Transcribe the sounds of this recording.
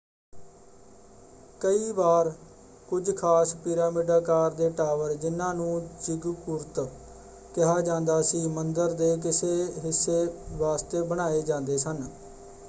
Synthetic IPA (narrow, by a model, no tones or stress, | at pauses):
kəiːbaːɾ | kʊd͡ʒkʰaːspiːɾaːmiːɖaːkaːɾd̪eːʈaːʋəɾd͡ʒɪnːãːnũːd͡ʒɪɡkʊɾt̪ | kɪɦaːd͡ʒãːnd̪aːsiːmənd̪əɾd̪eːk̬ɪseːɦɪsːeːʋaːst̪eːbəɽ̃aːeːd͡ʒãːnd̪eːsən